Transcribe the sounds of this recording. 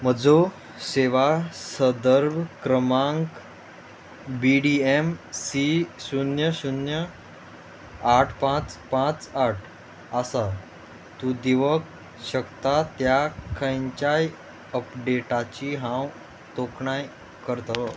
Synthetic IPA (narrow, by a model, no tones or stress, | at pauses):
m̤əd͡zo | ɕeʋasəd̪əɾbkɾəmãŋk | biɖiemsisunjəsunjə | aʈʰpãt͡spãt͡saʈʰ | asa | t̪ud̪iʋək | ɕəkt̪at̪jakʰə̃jɲt͡ɕaj | əpɖeʈat͡ɕiɦãw | t̪okɳaj | kəɾt̪aʋə